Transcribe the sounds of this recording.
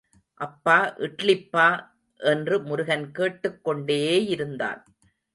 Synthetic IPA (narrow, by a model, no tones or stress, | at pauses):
ʔɐpːaːʔɪʈɭɪpːaː | ʔɛndrɯmʊɾʊɣɐnkeːʈːɯkːɔɳɖeːeːjɪɾɯnd̪a̰ːn